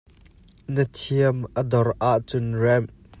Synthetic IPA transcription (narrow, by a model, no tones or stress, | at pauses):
nət̪ʰiəmʔəd̪ɔrʔaʔt͡sʊnrɛm